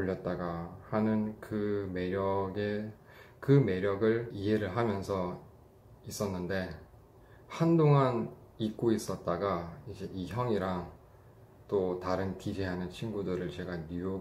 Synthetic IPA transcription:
oʎːʌt̚t͈aɡahanɯnkɯmeɾjʌɡe | kɯme̞ɾjʌɡɯɭiɦeɾɯɭɦamjʌnsʰʌ | is͈ʌnːɯnde̞ | handoŋan | ik̚k͈ois͈ʌt̚t͈aɡaid͡ʑe̞ʔiçjʌŋiɾaŋ | t͈otaɾɯnkid͡ʑiɦanɯnt͡ɕʰinɡudɯɾɯɭt͡ɕe̞ɡaɲujo

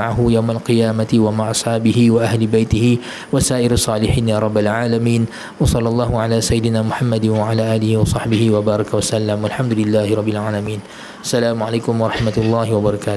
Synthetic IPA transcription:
aʕaɦʊjawmalqɨjaːmat̪ɪwamaʕʔɑsˤħɑːbɪɦɪwaʔahlɪbajt̪ɪhɪ | wasaːʔɪɾsˤːɑːlɪħiːnjaːɾˤɑbːalʕaːlamiːn | wɑsˤɑlːɑlˤːɑːhʊʕalaːsajːɪd̪ɪnaːmʊħamːad̪ɪwaʕalaːʔaːlɪhiːwɑsˤɑħbɪhɪwabɑːɾˤɑkawasalːamwalħamd̪ʊlɪlːaːhɪɾˤɑbːɪlʕaːlamiːn | ʔasːalaːmʊʕalajkʊmwɑɾˤɑħmat̪lˤːɑːhɪwabɑɾˤɑkaːt̪

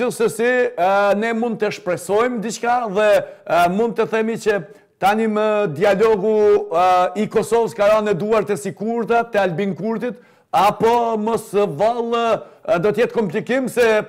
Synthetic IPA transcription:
ilˠsɛsinɛmund̪̚t̪əʃpɾɛsɔjmd̪it͡ʃkaðɛmund̪̚t̪əθɛmit͡ʃə | t̪animəd̪ialɔɡu | ikɔsɔvəskaɾanɛd̪uaɾt̪ɛsikuɾt̪at̪ɛalbinkuɾt̪it̪ | apɔmɔsvalˠd̪ɔt̪əjɛt̪̚kɔmplikimsɛ

